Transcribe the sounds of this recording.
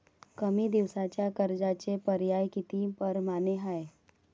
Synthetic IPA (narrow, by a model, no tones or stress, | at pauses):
kəmid̪ɪʋsaːt͡ʃakəɾd͡ʒaːt͡ʃepəɾjaːjkit̪iːmpəɾmaːneɦae